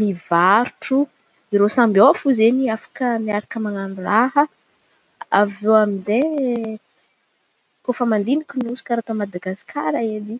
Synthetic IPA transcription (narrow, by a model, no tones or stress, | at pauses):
mivaɾuʈ͡ʂu | iɾosambiofuzeniafḁkəmiaɾakəmaŋanurahə | a̰vewaminze | kofəmand̪inikuniusu̥kaɾat̪omad̪aɡaskʰaɾaed̪i